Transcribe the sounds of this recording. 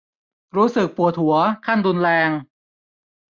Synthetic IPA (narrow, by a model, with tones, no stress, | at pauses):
ɾuː˦˥sɯ˨˩k̚pu˨˩ət̪̚hu˩˦ɐkʰa˥˩ndu˧nlɛː˧ŋ